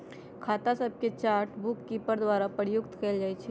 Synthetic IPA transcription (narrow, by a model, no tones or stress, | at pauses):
kʰat̪asəb̚ʱket͡ʃaɾʈbʊkːipəɾd̪waɾapəɾjʊkt̪kɛld͡ʒajt͡ʃʰɛ